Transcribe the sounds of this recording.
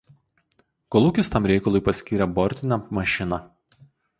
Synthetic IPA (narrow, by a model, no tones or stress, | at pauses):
kɔlˠuːkʲɪst̪ɑmɾʲɛɪkɐlˠʊjpɐsʲkʲiːɾʲɛbɔɾʲt̪ʲɪnʲɛmɐʃʲɪnɐ